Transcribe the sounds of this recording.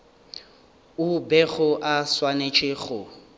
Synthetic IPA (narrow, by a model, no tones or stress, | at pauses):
ʊbɛɣʊʔaswanet͡ʃʼɪɣʊ